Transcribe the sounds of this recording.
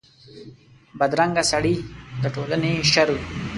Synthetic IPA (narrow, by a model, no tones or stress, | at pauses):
bad̪ɾaŋɡasaɽid̪əʈolaneʃaɾu